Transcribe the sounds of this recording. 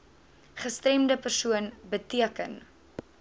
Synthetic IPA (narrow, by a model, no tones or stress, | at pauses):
χəstɾɛmdəpərsuənbətiəkən